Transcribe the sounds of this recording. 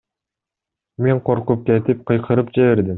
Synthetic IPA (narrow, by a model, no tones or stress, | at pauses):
me̞ɴqʰoɾqup̚ket̪ip̚qʰɯ̆jqʰɯɾɯp̚d͡ʒeβeɾd̪ɪm